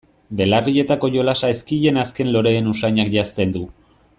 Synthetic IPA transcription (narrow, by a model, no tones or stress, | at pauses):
be̞larie̞t̪ako̞ʝo̞lasaeskiʎe̞naske̞nlo̞ɾe̞ːnusajɲakʝast̪e̞nd̪u